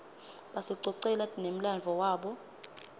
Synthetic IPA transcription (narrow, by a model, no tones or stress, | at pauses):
ɓasɔǀɔǀɛlanem̩land͡ɮʱɔwaːɓɔ